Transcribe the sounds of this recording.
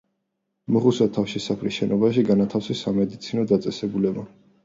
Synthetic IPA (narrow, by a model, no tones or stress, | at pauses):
mɔχusat̪ʰːafʃisapʰɾisʃɛnʔɔbaʃiɡanat̪ʰafsisamɛd̪it̪sʰinɔd̪at̪sʼɛsɛbulɛba